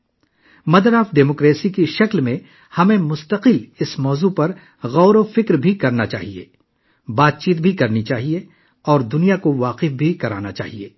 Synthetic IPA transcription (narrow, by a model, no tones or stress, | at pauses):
mɐd̪ɾaːfɖeːmoːkɾeːsikiʃɐklmẽ | hɐmẽmʊst̪əqɪlɪsmɔːzupɐɾ | ɣɔːɾofɪkɾbʱikɐɾnat͡ʃa̰ːɦiḛː | baːt̪̚t͡ʃiːt̪bʱikɐɾnit͡ʃaːɦie | ɔːɾd̪ʊnijakoʋaːqɪfbʱikɐɾaːnat͡ʃa̰ːɦieː